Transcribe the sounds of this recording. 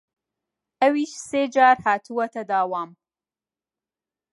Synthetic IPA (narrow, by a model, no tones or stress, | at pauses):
ɐwiːʃseːd͡ʒaːɾhaːt̪ʰuwɐt̪ʰɐd̪aːwaːm